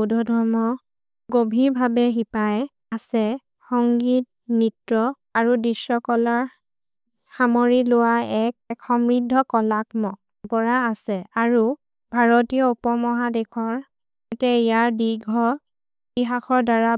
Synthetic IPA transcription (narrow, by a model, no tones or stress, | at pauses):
dʱɔdʱɔɹmɔ | ɡobʱiɹbʱabɛxipaj | asɛ | xɔŋɡit̚ | nitɹɔ | aɹudisɔkɔlaɹ | xamoɹilʊwaɛk̚ɛkxɔmɹidʱːɔkɔlakmɔ | pɔɹaːsɛaɹu | bʱaɹɔtijɔupɔmɔɦadɛkʰɔɹ | tɛijaɹdiɡʱɔ | iɦakʰɔɹdaɹa